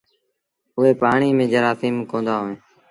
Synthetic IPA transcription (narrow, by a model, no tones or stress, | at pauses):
ʊɦeːpaːɳ̃iːmẽːd͡ʒəɾaːsiːmkõːnd̪aːɦoːẽː